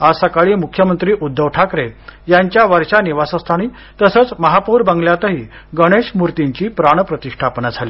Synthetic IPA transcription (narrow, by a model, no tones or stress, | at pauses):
asəkaɭiːmukʰjəmənt̪ɾiːʔud̪ʱːəʋʈʰakɾejaɲt͡ɕjaʋəɾɕaniʋasəst̪ʰaɽ̃iː | t̪əsəːt͡sməɦapuːɾbãŋɡljat̪əɦiː | ɡəɽ̃eɕmuɾt̪iɲt͡ɕiːpɾaɽ̃pɾət̪iʂʈʰapnad͡zʱali